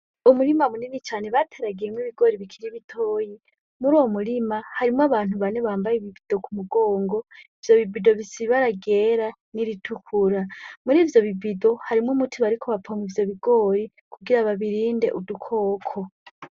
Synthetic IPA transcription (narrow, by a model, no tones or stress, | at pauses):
umuɾimamuninit͡ʃaːne̞βatʰeːɾaɡijemwiβiɡo̞ːɾiβikʰiɾiβitʰoːji | muɾoːmuɾimahaɾimaβaːn̥huβaneβaːmbajeiβibid̥o̞kumuɡo̞ːŋɡo̞ivjo̞βibido̞βisiβaɾaɡeːɾa | niɾitʰukʰuɾamuɾiːvjo̞βibido̞haɾimŋumutʰiβaɾikʰo̞βapʰomwivjo̞βiɡo̞ːɾi | kʰuɡiɾaβaβiɾiːnde̞̰ʔudukʰo̞ːkʰo̞